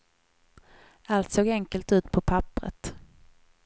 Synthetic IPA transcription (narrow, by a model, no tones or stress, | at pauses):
alt̪soːɡɛŋkəlt̪ʉ̟ːt̪pʰɔpʰapɾə̰t̪